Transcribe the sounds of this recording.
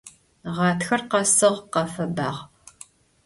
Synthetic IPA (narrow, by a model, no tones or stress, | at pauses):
ʁɑːtxɐrqɐsɨʁqɐfɐbaːʁ